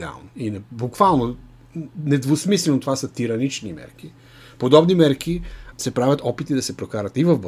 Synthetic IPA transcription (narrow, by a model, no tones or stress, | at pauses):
ɛa̰lˠnoinbukvalˠno | nɛd̪vosmislɛnot̪ovasət̪iɾɐnit͡ʃnimɛ̰ɾki | pod̪ɔbnimɛɾkisɛpɾavʲɐt̪ɔpit̪id̪ɐsɛpɾokaɾɐt̪ivɐvb